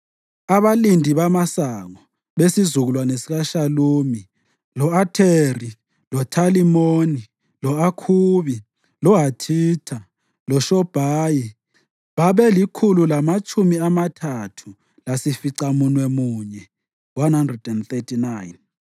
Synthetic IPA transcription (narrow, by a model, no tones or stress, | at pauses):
aβalindʱiβamasaŋɔ | βesizuɣulwanesiɣaʃaluːmi | lɔatʰeri | lɔtʰalimoni | lɔakʰuːβi | lɔɦatʰiːtʰa | lɔʃɔb̥ʱaːji | βaβɛlikʰululamat͡ʃʰʼumiamatʰatʰu | lasifiǀamunwɛmuːɲɛ | wanhandrɛdɛnθetʰinajn